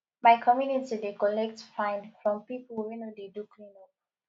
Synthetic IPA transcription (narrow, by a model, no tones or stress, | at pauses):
maɪkʰɔmjunitidekɔlɛk̚tfãɪ̃ndfɹɔ̃mpipəlwĩnodedukʰlĩno